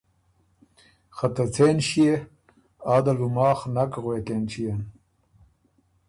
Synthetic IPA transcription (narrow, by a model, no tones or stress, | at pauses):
xɐt̪ɐt͡sʰeːnɕije | aːd̪ɐlumaːxnɐkɣwekent͡ɕʰijen